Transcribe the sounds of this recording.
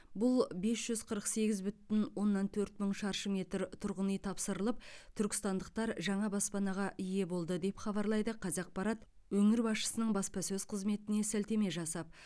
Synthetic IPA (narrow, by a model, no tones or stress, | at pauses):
bʊlˠbe̞sʒ̥ʏz̥qʰəɾəqse̞ɡʲɪzbʏt̪ɪnwo̞nːɑnt̪ʰɵɾt̪məɴʃɑɾʃəme̞t̪ɾt̪ʰʊɾʁənəjt̪ʰɑpsəɾəlˠəp̚t̪ʰʏɾkʲɪ̥st̪ɑnd̪əq̚t̪ɑɾʒɑɴɑbospɑnɑʁɑʔije̞bo̞lˠd̪əd̪e̞pχɑbɑɾlˠɑjd̪əqʰɑzɑq̚pɑɾɑt̪ | wɵŋɪɾbɑsʃə̥sənəɴbɑspɑsɵzqʰəzme̞t̪ɪne̞sælt̪e̞me̞ʒɑsɑp̚